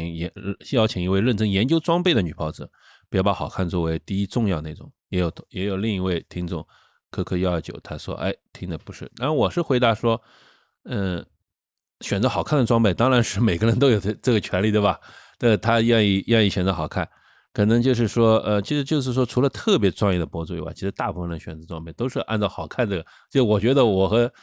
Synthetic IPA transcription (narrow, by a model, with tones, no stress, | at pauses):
ŋjɛ˧˥jɑ˥˩ʊt͡ɕʰi˨˩ŋi˧˥we˥˧ɪɻə˥˩nʈ͡ʂɤ˥ŋjɛ˧˥nt͡ɕjo˥ʊʈ͡ʂwɑ˥ŋpe˥˩ɪd̪ə˩ny˨˩pʰɑ˧˥ʊd͡zɹ̩˧˩˦ | pi˧˥jpa˧˥xɑ˨˩ʊkʰa˥˧nt͡swɔ˥˩we˧˥ɪt̪i˥˧i˥ʈ͡ʂʊ˥˧ŋjɑ˥˧ʊəne˥˩ʈ͡ʂʊ˨˩ŋjɛ˧˥jo˨˩ʊjɛ˧˥jo˨˩ʊli˥˩ŋi˧˥we˥˩ɪt̪ʰi˥ŋt͡sʊ˥˩˦ŋ | kʰɤ˥kʰɤ˥˧jɑ˥˧ə˞˥˩t͡ɕjo̰˨˩ʊt̪ʰa˥ʂwɔ̰˥ʔa̰˥˩ɪt̪ʰi˥ŋd̪ə˨pu˧˥ʂɻ̩˥˩na˥˩wɔ˨˩ʂɻ̩˥˩xwe˧˥ɪt̪a˧˥ʂwɔ˥ | ə˥˧˩ | ɕɥɛ˨˩nt͡sɤ˧˥xɑ˨˩ʊkʰa˥˩nd̪ə˩ʈ͡ʂwɑ˥ŋpe˥˩ɪt̪ɑ˥ŋɻa˧˥nʂɻ̩˥˩me˨˩ɪɡə˧˥ɻə˧˥nt̪o˥ʊjo˨˩ʊ˥˩ʈ͡ʂɤ˥˩ɡə˩t͡ɕʰɥɛ˧˥nli˥˩t̪wbɐa˨˩tə˥˩t̪ʰa˥ɥɛ˥˧ni˥˩ɥɛ˥˧ni˥˩ɕɥɛ˨˩nt͡sxɑ˨˩ʊkʰa˥˩n | kʰɤ˨˩nɤ˧˥ŋt͡ɕjo˥˧ʊʂ̬ɻ̩˥˩ʂwɔ˥ə˥˧t͡ɕʰi˧˥ʂɻ̩˧˥t͡ɕjo˥˧ʊʂ̬ɻ̩˥˩ʂwɔ˥ʈ͡ʂʰu˧˥lə˧t̪ʰɤ˥˩p̬jɛ˧˥t͡sʈ͡ʂwɑ˥˧ŋjɛ˥˩d̪ə˩pwɔ˥t͡su˥˩ḭ˧˥wa̰˥˩i˧˥ʂɻ̩˧˥t̪a˥˧pu˥˩fə˧n˧ə˩ɕɥɛ˨˩nt͡sɤ˧˥ʈ͡ʂwɑ˥ŋpe˥˩ɪt̪o˥ʊʂɻ̩˥˧ʔa̰˥˧nt͡sɑ˥˩ʊxɑ˨˩ʊkʰa˥˧nʈ͡ʂɤ˥˩ɡə˩t͡ɕjo˥˧ʊʂwɔ˨˩t͡ɕɥɛ˧˥d̪ə˧wɔ˨˩xɤ˧˥